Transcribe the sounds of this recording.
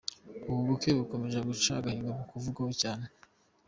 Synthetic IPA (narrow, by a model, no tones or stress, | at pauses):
uβuβukeβuko̞me̞ʒaɡut͡ʃa̰ɡahiŋɡaβokuvuɡahocaːne